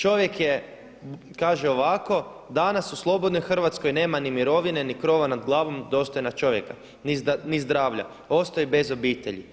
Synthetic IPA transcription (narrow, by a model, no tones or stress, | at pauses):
t͡ʃo̞ʋje̞kje | kaːʒeo̞ʋako̞d̪anasuslˠo̞bo̞d̪nojxr̩ʋat̪sko̞jne̞ːmanimiɾo̞ʋine̞nikɾo̞ʋanad̪ɡlˠaːʋo̞md̪o̞ːst̪o̞jnat͡ʃo̞ʋjeka | ninizd̪ɾaːʋʎa̰ | o̞st̪o̞ibe̞zo̞biːt̪e̞ʎḭ